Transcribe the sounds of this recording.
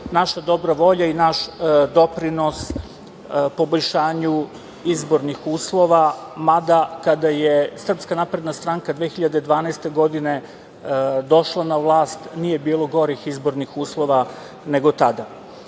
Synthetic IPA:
naʃad̪o̞bɾaʋo̞ʎainaʃd̪o̞pɾino̞s | po̞bo̞ʎʃaːɲu | izbo̞ɾnixuːslˠo̞ʋamad̪akad̪ajesr̩pskanapɾe̞d̪nast̪ɾaŋkad̪ʋeːxiʎad̪ed̪ʋaːnaːst̪e̞ɡo̞d̪ine̞ | d̪o̞ʃlˠanaʋlˠaːst̪nije̞biːlˠo̞ɡo̞ɾixizbo̞ɾnixuːslˠo̞ʋa | ne̞ɡo̞t̪ad̪a

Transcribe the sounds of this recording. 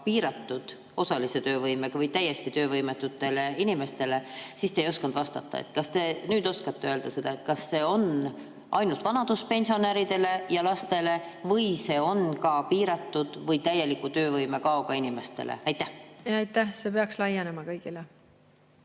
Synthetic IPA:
piːɾɑt̪ːud̪̥ | o̞sɑlise̞t̪ø̞ːvɤjme̞ɡ̥ɑvɤjt̪æjːe̞st̪it̪ø̞ːvɤjmet̪ːut̪ːˑe̞le̞inime̞st̪e̞le̞siːst̪ejo̞skɑnd̪̥vɑst̪ɑ̰t̪ːɑ̰ḛt̪kɑst̪e̞nyːd̪o̞skɑt̪ːe̞øld̪ɑse̞d̪̥ɑet̪kɑsːe̞ːo̞n | ʔɑ̰jnult̪vɑnɑd̪uspe̞nʲsio̞næɾid̪̥e̞le̞jɑlɑst̪e̞le̞vɤjse̞ːo̞nkɑpiːɾɑt̪ːud̪̥vɤjt̪æje̞likːut̪ø̞ːvɤjme̞kɑoɡ̥ɑinime̞st̪e̞̰lʔḛɑjt̪ːæhɑjt̪ːˑæhsepeɑkslɑjenemɑkɤjɡ̥ile

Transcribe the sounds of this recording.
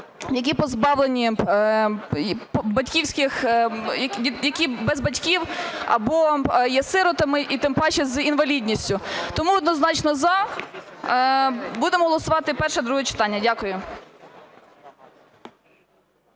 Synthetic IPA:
jɐk̬ʲipɔzbɑwlˠenʲi | pbɐtʲkʲiwsʲkɪxjɐjɐkʲibɛzbɐtʲkʲiwɐ̰bɔjɛsɪɾɔt̪ɐmɪʔit̪ɪmpɑt͡ʃɛzinʋɐlʲidʲnʲisʲtʲʊt̪ɔmuɔd̪nɔznɑt͡ʃnɔzɐ | bud̪emɔɦɔlˠɔsʊʋɑt̪ɪpɛrʃɛd̪ɾuɦɛt͡ʃɪ̥t̪ɑnʲːɐdʲakʊjʊ

